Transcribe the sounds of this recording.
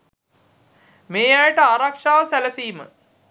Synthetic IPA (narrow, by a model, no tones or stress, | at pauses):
meːjajəʈəaːɾakʂaːʋəsælɐsiːmə̰